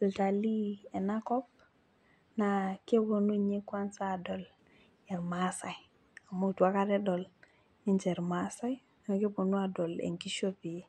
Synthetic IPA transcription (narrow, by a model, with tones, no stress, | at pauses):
lta˨li˦e˨na˦ko˦p̚ | na˨ke˦bo˨nu˦ɲe˦kwa˦nsa˦˨do˨l | e˨ɾmasa˨j | a˨mo˦˨tu˨a˦ka˦ɾe˦do˨l | i˦nd͡ʒe˨ɾmasa˦j | na˨ke˦bo˨nu˦a˨do˨lḛ˨ŋki˦ʃo˦pi˨